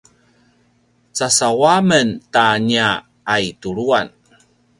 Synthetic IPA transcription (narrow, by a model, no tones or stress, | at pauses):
t͡sasawaməntaɲaː | jtuɾuan